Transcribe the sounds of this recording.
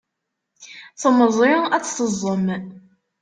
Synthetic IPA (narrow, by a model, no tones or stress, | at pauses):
θəməzˤɪæt͡sːsəzˤːəm